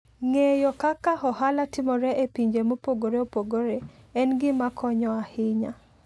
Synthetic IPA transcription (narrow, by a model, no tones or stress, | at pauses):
ŋejɔkakaɦɔhalatɪmɔɾɛʔepiɲd͡ʒemopoɡoɾeopoɡoɾeɛnɡɪmakʰɔɲɔahɪɲa